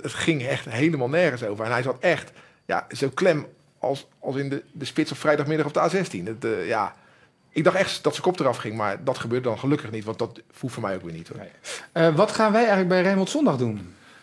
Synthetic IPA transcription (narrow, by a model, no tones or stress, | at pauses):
ətχɪŋɛχtɦejləmaːlˠnɛɹχənsowvəɹɛnɦɛjzɑtɛχt | ja̰zowklɛm | ɑlˠs | ɑlˠsɪndədəspɪtt͡sɔfrɛjdɑχmɪdɑχɔpdəaːzɛstinətːja̰ | ɪɡ̚dɑχtɛχtsdɔtsə̥kɔp̚tərɑfχɪŋmaɹdɑtχəbøːɹdədɔnχəlɵkəχnitʋɑntdɔtfulˠfoːɹmɛjowkʋɪːnitoɹ | ʋɑtχaːnʋɛjɛjələɡ̚bɛjrejməl̩ˠtsɔndɑχdun